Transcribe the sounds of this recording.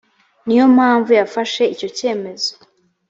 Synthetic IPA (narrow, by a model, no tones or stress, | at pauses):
nijo̞mhaːɱvujafaʃe̞ico̞ce̞ːme̞zo